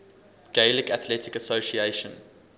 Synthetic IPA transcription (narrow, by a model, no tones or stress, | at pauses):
ɡ̥eɪlɪkæθlɛtɪkəsoʃieʃə̃n